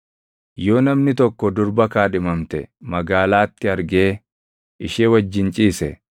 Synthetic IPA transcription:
jo̞ːnɐmnɪt̪ɔkːɔd̪ʊɾbɐkaːᶑɪmɐmt̪ɛ̰mɐɡaːlaːt̪ːɪɐɾɡe̞ː | ɪʃeːwɐd͡ʒːɪnt͡ʃʼiːsɛ

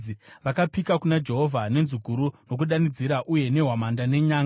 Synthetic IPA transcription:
iʋakapikakunad͡ʒe̞ɦo̞vʱane̞nzuɡʱuɾuno̞kuɗanid͡ziɾaʔuje̞ne̞ɦwamandane̞ɲaːŋ

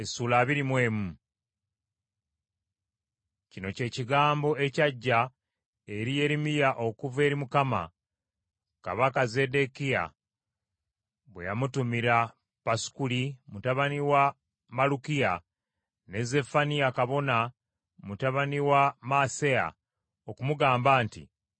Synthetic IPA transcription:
esuːlaːβiɾimwe̞ːmu | cino̞ce̞ːciɡaːmbo̞e̞caɟːa | eɾije̞ɾimijaʔo̞kuve̞ːɾimukama̰ | ka̰βakaze̞de̞kija̰ | βwejamutumiɾa | pasu̥kulimutaβaniwa | malukija | ne̞ze̞fanijakaβo̞na | mutaβaniwamasea̰ | okumuɡaːmbaːntḭ

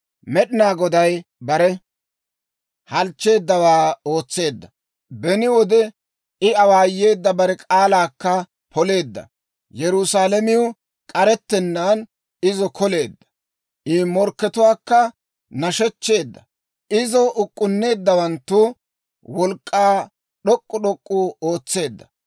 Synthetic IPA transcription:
mɛɗɪnaːɡɔd̪ɐjbɐɾɛ | hɐlt͡ʃːe̞ːd̪ːɐwaːo̞ːt͡sːe̞ːd̪ːɐ | bɛnɪwɔd̪ɛ | ɪɐwaːje̞ːd̪ːɐbɐɾɛkʼaːlaːkːɐ | pɔle̞ːd̪ːɐ̰ | jɛɾʊsaːlɐmɪʊ | kʼɐɾɛt̪ːɛnːaːn | ɪzɔkʰɔle̞ːd̪ːɐ̥ | ʔɪmɔɾkːɛt̪ʊwaːkːɐ | nɐʃɛt͡ʃːe̞ːd̪ːɐ | ʔɪzɔʔʊkʼːʊnːe̞ːd̪ːɐwɐnt̪ːʊ | wɔlkʼːaː | ɗɔkʼːʊɗɔkʼːuo̞ːt͡sːe̞ːd̪ːɐ̥

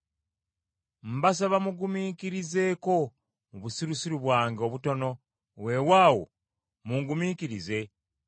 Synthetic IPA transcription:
m̩bas̬aβamuɡumiːkiɾize̞ko̞ | muβusiɾusiɾuβwaːŋɡo̞βuto̞no̞ | we̞waːwo̰ | muŋɡumikiɾize̞

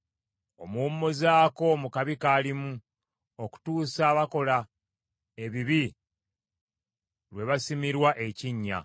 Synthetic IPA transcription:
o̞̰muːmːozaːko̞mukaβikaːlimu | oku̥tuːsaːβako̞la | e̞βiβi | lwe̞βasimiɾwaʔe̞ciɲːa̰

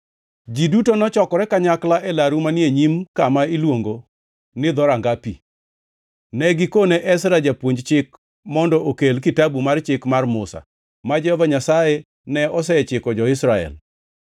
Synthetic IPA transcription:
d͡ʒidutonɔt͡ʃɔkɔɾɛkaɲaklaʔɛlaɾumanjeɲimkamailwoŋɡo | nɪd̪ɔɾaŋɡapi | nɛɡɪkoneʔɛsɾad͡ʒapwoɲd͡ʒt͡ʃɪk | mɔndɔʔokelkɪtabumart͡ʃɪkmarmʊsa̰ | mad͡ʒɛhɔvaɲasaje | nɛɔs̬ɛt͡ʃɪkɔd͡ʒɔɪsɾaɛ̰l

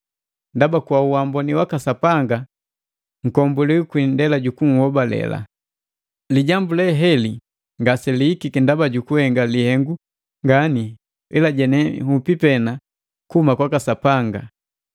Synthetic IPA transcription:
ndabakwauwambɔniwakasapaŋɡa | ŋ̩kɔmbuliukwindɛlaɟukuŋ̩hɔbalɛ̰la̰ | liɟambulɛɦɛli | ŋɡasɛliːkikindabaɟukuhɛŋɡalihɛŋɡu | ŋɡani | ilaɟɛnɛhupipɛna | kuhumakwakasapaŋɡa

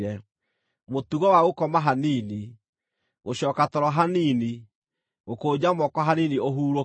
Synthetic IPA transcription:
ɾɛ | motuɣɔwaɣokɔmaɦaniːni | ɣoɕɔːkatɔɾɔɦanini | ɣokoːd͡ʑamɔkɔɦanenioɦuːɾo

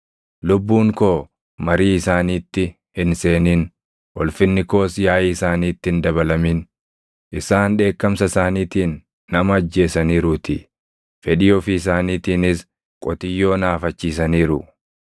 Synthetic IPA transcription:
lʊbːuːŋko̞ː | mɐɾiːɪsaːniːt̪ːɪ | hɪnse̞ːniːn | wɔlfɪnːɪko̞ːsjaːjɪsaːniːt̪ːɪɪnd̪ɐβɐlɐmin | ʔɪsaːnᶑe̞ːkːɐmsɐsaːniːt̪iːnː | ɐmɐːd͡ʒːe̞ːsɐniːɾʊːt̪ɪ | fɛᶑɪɔfɪɪs̬aːniːt̪iːnɪs | kʼɔt̪ɪjːo̞ːnaːfɐt͡ʃːiːs̬ɐniːɾʊ

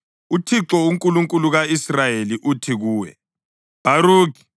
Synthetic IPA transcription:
utʰiǁɔuŋkʼuluŋkʼuluɣaisrajeliʔutʰiɣuːwɛ̰ | b̥ʱaɾuːki̥

